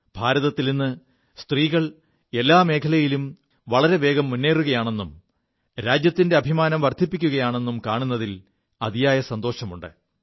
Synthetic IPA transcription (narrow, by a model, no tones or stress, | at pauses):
b̥ʱaːɾɐðɐt̪ːilinːɨ | st̪riːɣɐɭ | e̞lːaːme̞ːkʰɐlɐjilum | ʋɐɭɐɾe̞ʋe̞ːɡɐmːunːeːruɣɐjaːɳe̞nːum | ɾaːd͡ʑjɐt̪ːinde̞ɐbʱimaːnɐmʋɐrd̪ʱipːikʲːuɣɐjaːɳe̞nːumkaːɳunːɐðil | ɐðijaːjɐsɐnd̪o̞ːʂɐmuɳɖɨ̰